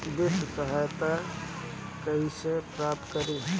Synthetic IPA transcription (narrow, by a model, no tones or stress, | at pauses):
b̪ɪʃsəɦajt̪a | kəɦĩsepɾap̚t̪kəɾi